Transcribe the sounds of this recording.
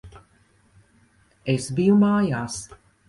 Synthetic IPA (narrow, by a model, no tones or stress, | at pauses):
esbijumaːjaːs